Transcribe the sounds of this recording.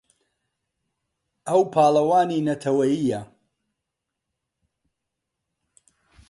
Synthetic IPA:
ʔɐwpʰaːlɐwaːniːnɐt̪ʰɐwɐjijɐ

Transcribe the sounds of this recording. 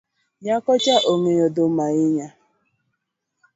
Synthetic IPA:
ɲakɔt͡ʃaʔoŋejodʊmaɪɲa

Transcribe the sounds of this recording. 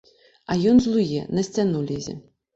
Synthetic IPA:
ajɔnzlˠujɛ̰nɐsʲt͡sʲanulʲɛzʲɛ̰

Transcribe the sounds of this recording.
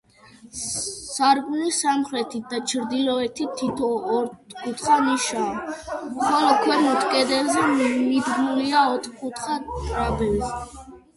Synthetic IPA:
saɾɡʼulisamχɾɛt̪ʰit̪̚d̪at͡ʃʰɾd̪ilɔɛt̪ʰit̪ʰːit̪ʰɔːɾt̪kʼut̪ʰχaniʃaːmχɔlɔkʰwɛɾmut̪ʰkʼɛd̪ɛlzɛmid̪ɡnuliaɔt̪ʰkʰʼut̪ʰχat̪ʼɾabɛlzɛ

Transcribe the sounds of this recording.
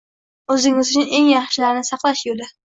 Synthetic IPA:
ɵzɪŋɪzʊt͡ʃʰʊne̞ŋjɑχʃɪlaɾɪnɪsɑqlˠaʃjolɪ

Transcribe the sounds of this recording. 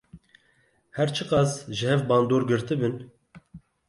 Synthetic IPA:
hɛɾt͡ʃʰɨqɑːsʒɨhɛvbɑːnd̪oːɾɡɨɾt̪ɨbɨn

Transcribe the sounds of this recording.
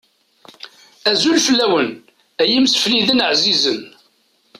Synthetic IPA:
æzulfəlːæwən | æjəmsfliðənəʕzizən

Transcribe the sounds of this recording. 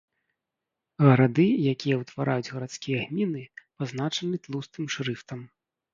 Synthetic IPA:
ɣɐɾad̪ɨjakʲijɐwt̪vaɾʔajud͡zʲɣɐɾat̪skʲijɛɣmʲinɨpazn̪at͡ʂɐnɨt̪lˠust̪ɨmʂɾɨft̪ɐm

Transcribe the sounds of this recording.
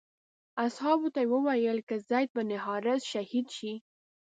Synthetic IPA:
ashɑbot̪awəwajəlkəzɑjt̪̚banɪɦɑɾɪzʃahid̪ʃi

